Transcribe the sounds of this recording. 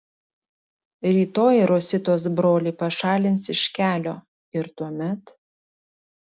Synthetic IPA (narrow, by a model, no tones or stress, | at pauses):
ɾʲiːt̪oːjɾoːsʲɪt̪oːs̬bɾoːlʲɛːpɐʃɑːlʲɪnt̪sɪʃʲkʲæːlʲoː | ɪɾt̪uɔmʲɛt̪